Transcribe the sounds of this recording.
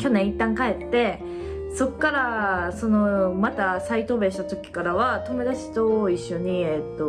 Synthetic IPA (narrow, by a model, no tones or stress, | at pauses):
kʲo̞nẽit̪ːãŋkae̞t̪ːe̞ | so̞kːaɾaso̞no̞mat̪asait̪o̞ːbe̞ɕi̥t̪at̪o̞kʲi̥kaɾaβat̪o̞me̞d̪aɕi̥t̪o̞iɕːo̞ɲ̟iet̪ːo̞